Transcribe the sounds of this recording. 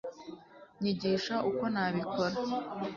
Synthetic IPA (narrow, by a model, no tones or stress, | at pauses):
ɲiɟiʃaʔuko̞naβikʰo̞ɾa